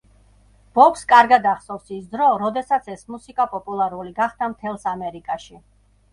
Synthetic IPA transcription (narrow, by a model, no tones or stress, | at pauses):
b̥ɔkskʼaɾɡad̪aχsɔvsisd̪ɾɔɾɔd̪ɛsat̪sʰɛsmusikʼapʼɔpʼulˠaɾuliɡaχd̪̥amt̪ʰɛlˠsamɛɾikʼaʃi